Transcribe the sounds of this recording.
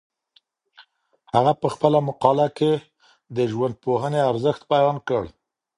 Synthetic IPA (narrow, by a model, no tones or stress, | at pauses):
haɣapəxpəlamʊqɑlake | d̪əʒwand̪̚poɦəneaɾzəxt̪̚pajɑnkəɽ